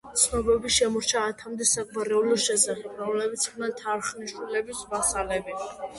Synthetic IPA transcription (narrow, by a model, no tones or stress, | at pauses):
t̪sʰnɔbɛbiʃɛmɔɾt͡ʃʰaːt̪ʰamd̪ɛsak̚ʼmaɾɛulɔʃɛsaχɛbɾɔmlɛbit̪sʰmʰnat̪ʰaɾχniʃwilɛbisvasalɛbi